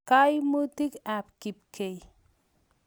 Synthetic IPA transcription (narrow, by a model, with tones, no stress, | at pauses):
kajmu˦t̪i˦kapki˨p̚kʰe˨j